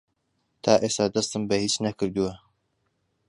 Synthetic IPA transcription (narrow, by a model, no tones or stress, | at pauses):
t̪ʰaːʔeːst̪ɐd̪ɐst̪ɨmbɐhiːt͡ʃnɐkɨɾd̪uwɐ